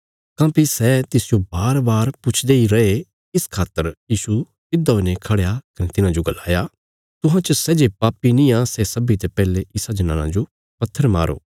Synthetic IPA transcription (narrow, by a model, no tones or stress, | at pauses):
kãːpisɛːt̪ɪsd͡ʒobaːɾbaːɾpʊt͡ʃʰd̪eiɾɐe | ɪskʰaːt̪ːəɾjiːsu | ɪd̪aonekʰɐɽejakɐnet̪ɪnãd͡ʒoɡɐlːa̰ːja | t̪ʊɦãt͡ʃɐsɛːd͡ʒeːpaːpinĩãːsɛsɐbit̪epɛːleɪsad͡ʒɐnã̰ːnã̰d͡ʒo | pɐt̪ʰːəɾma̰ːɾʔo̰ː